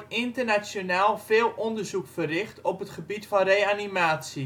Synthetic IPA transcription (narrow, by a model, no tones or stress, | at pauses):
ɪntərnasjonaːlˠfɪːlˠɔndərzukfərɪχtɔpətχəbitfɔnreːanimaːsi